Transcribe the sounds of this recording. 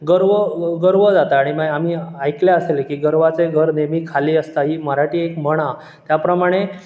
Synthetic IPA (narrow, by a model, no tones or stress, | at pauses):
ɡəɾʋəɡəɾʋəd͡zat̪aːɽ̃imaɡamiːajkljaəselekiːɡəɾʋat͡seɡʱəɾnemiːkʰaliːəst̪aɦiːməɾaʈiːekm̤əɽ̃a | t̪japɾəmaɽ̃e